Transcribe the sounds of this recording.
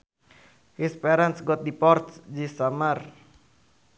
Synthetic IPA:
hispɛɾansɡɔt̪̚dipɔrt̪sd͡ʒisamar

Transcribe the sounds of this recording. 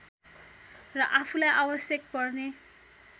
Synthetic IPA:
rʌʔapʰulajʔawʌsjʌk̚pʌrne

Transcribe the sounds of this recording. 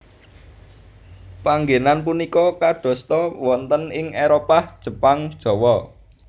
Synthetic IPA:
paŋɡenanp̬unikɔkaɖ̥ɔ̤st̪ɔwɔnt̪ənɪŋeɾopahd̥ʒ̥ə̤paŋd̥ʒ̥ɔ̤wɔ

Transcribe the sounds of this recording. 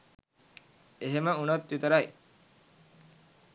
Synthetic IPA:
eɦeməunot̪ʋit̪əɾɐj

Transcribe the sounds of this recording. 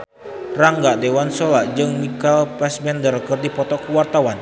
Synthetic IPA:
raŋɡaʔdewansolaʔd͡ʒɨŋmikalpɛsmɛndəɾkərdipɔt̪ɔkuwart̪awan

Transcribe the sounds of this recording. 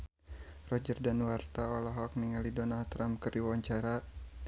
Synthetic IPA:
rɔd͡ʒərdanwart̪aɔlɔɦɔk̚niŋalidɔnalt̪ɾamkɨrdiwaɲt͡ʃaɾa

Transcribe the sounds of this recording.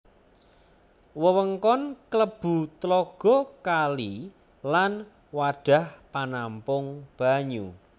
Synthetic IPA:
wəwəŋkɔnkləb̥ṳt̪lɔɡ̥ɔ̤kali | lan | waɖ̥a̤hpanampʊŋb̥a̤ɲu

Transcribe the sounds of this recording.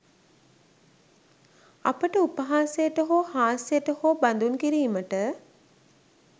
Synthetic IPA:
apəʈəupəɦaːsejəʈəɦoːhaːsejəʈəhoːband̪unkiɾiːməʈə

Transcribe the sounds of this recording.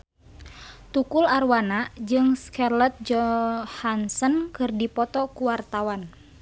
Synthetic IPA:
t̪ukularwanad͡ʒɨŋskarlət̪̚d͡ʒɔhansɔnkɨrdipɔt̪ɔkuwart̪awan

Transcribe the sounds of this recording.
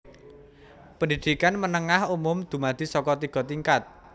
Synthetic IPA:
pəndid̪̥i̤kanmənəŋahumʊmd̪̥ṳmad̪̥i̤sɔkɔt̪iɡ̥ɔ̤t̪iŋkat̪̚

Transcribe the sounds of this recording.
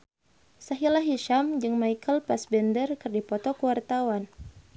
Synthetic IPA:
saɦilaɦiʃamd͡ʒɨŋmajkʰəlpasbɛndərkɨrdipɔt̪ɔkəwart̪awan

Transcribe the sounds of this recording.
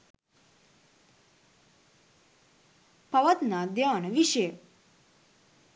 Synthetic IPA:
pɐʋɐt̪naːd̪jaːnəʋiʃəjə

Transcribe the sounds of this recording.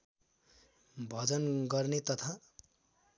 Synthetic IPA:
bʱʌd͡zʌnɡʌrnet̪ʌt̪ʰa

